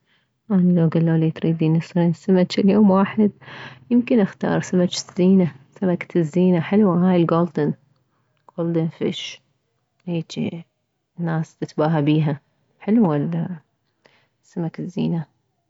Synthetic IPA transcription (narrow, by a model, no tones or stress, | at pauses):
ʔanilawɡalːalit̪ɾiːd̪inɪsɾinsamat͡ʃɪljoːmwaːħɪd̪̚jɪmkɪnʔaxt̪ɑ̰ːɾˤsamat͡ʃɪz̥ːiːnasamak̪ɪzːiːnaħɪlwaɦaːjɪlɡoːld̪ɪn | ɡ̥oːld̪ɪnfɪ̰ʃ | heːt͡ʃḭ | nːaːst̪ɪt̪baːɦabiːɦa | ħɪluwala | samakɪzːḭːna